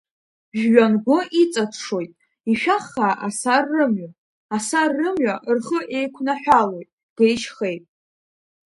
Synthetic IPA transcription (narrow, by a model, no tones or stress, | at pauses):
ʒᶣɥanɡʷʊit͡sʼatʰʂo̞jtʼ | iʃᶣaχːaʔasarːɨmɥa | asarːɨmɥʷaʔrχəʔe̞jkʷʰnaħʷᶣalo̞jtʼ | ɡ̥ejʃχe̞jpʼ